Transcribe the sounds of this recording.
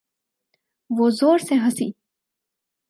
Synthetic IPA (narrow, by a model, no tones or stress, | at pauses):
ʋoːzoːɾseɦɐsiː